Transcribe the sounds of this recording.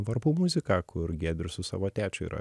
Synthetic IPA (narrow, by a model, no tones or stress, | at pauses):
ʋɐɾbuːmʊzʲɪkɑːkʰʊɾɡʲeːd̪ʲɾʲʊsʊsɑ̰ːʋoːt̪ʲæːt͡ʃʲʊḭːɾɐ̰